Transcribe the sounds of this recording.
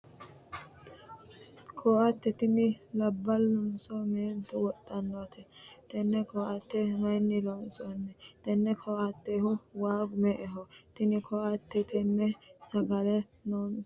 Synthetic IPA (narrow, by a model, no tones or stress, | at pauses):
kʰɔːʔɐt̪ːɛt̪ɪnɪlɐbːɐlːʊnsɔmeːnt̪ʊwɔt̪ʼːɐnːot̪ʰɛt̪ɛnːɛkɔʔɐt̪ːɛmɐjnːɪloːnsɔnːɛt̪ɛnːɛkʰɔʔɐt̪ːehʊwaːɡʊmɛʔɛɦɔt̪ɪnɪkʰɔʔɐt̪ːɛt̪ɛnːɛsɐɡɐlɛ | noːn